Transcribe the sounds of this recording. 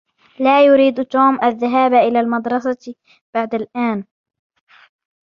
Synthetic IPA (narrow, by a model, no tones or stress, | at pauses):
laːjʊɾiːd̪t̪uːmʔaðːaɦaːbʔɪlaːlmɑd̪ɾˤɑsɑ | b̥aʕd̪alʔaːn